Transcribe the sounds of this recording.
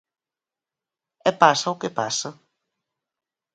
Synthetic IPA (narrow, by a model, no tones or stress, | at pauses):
ɛpasɐʊkɪpa̰sɐ